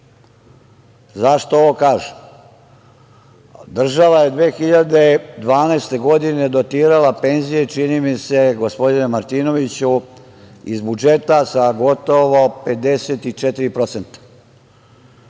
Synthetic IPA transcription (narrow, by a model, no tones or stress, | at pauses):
zaʃt̪ooʋokaːʒe | d̪r̩ʒaʋaje̞d̪ʋeːxiʎad̪e̞d̪ʋaːneːst̪e̞ɡo̞d̪ine̞d̪o̞t̪iːɾalape̞nzije̞t͡ʃinimise̞ɡospo̞d̪inemaɾt̪iːno̞ʋit͡ɕu | ḭzbud͡ʒet̪asaɡo̞t̪o̞ʋo̞pe̞d̪eset̪it͡ʃet̪iɾipɾo̞t̪se̞nt̪ḁ